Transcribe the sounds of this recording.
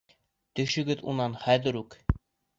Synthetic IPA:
t̪ɵ̆ʃɵ̆ɡɘðṵnɑnχæðɘ̆ɾʉk

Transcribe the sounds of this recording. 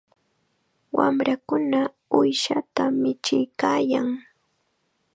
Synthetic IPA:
wamɾakʊna | ʊjʃat̪amɪt͡ʃɪjkaːjaŋ

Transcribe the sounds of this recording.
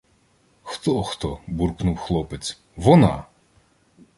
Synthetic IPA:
xt̪ɔxt̪ɔburknuwxlˠɔpet͡sʲ | ʋɔnɑ̰

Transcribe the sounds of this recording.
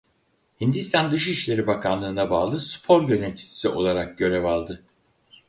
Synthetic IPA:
hind̪ist̪ʰand̪ɯʃiʃlʲe̞ɾibakʰanlˠɯːnabaːlˠɯspʰo̞ɾɟønɛnʲt͡ʃ̪ʰi̥si̥siʔo̞lˠaɾak̚ɟø̞ɾevalˠd̪ɯ

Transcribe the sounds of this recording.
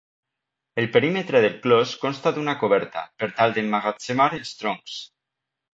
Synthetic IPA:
elpeɾimet̪ɾeðelˠklɔskonst̪aðunakoβ̞ɛɾt̪a̰peɾt̪alˠd̪emːaɣat͡semaɾelˠst̪ɾoŋks

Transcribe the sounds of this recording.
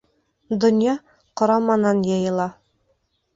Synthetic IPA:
d̪ŏnjɑ | qŏɾɑmɑnɑnjɤ̆jɤ̆lˠɑ

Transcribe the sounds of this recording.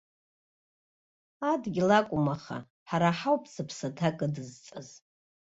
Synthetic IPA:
adɡʲilakʷʼʊmaχa̰ | ħaɾaħawpʰʼsɨpʰsatʰakʼɨdɨzt͡sʼɨz

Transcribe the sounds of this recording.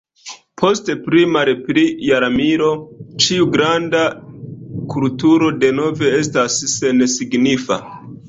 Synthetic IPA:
pʰo̞stepɾimaɾepɾijaɾamiɾo̞t͡ʃiuɡɾanda | kultuɾo̞de̞no̞ve̞e̞s̬tasːe̞nsiɡnifa̰

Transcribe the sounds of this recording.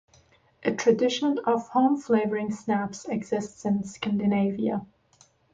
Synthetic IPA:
ʔɨtʰɹ̥ɨdɪʃə̃nʌv̥hõʊ̃mfleɪvə˞ɪ̃ŋsnæpsɛɡz̥ɪstsɨ̃nskæ̃ndɨneɪviə

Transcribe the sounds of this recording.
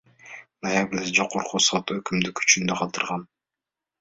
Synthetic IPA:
nojabɾʲid̪ed͡ʒoquɾqʰusɔt̪økymd̪ykʰy̥t͡ʃynd̪øqʰɑlˠt̪ɯɾʁɑn

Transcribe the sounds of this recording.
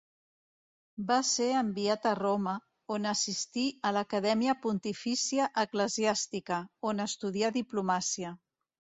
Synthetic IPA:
baseəmbiat̪əromə | onəsist̪iələkəðɛmiəpunt̪ifisiəʔəkləziast̪ikəonəst̪uðiaðiplumasiə

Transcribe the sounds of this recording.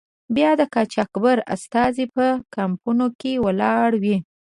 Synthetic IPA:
bjɑd̪əkɑt͡ʃɑkbaɾa̰st̪ɑzepəkampunokewəlɑɽwi

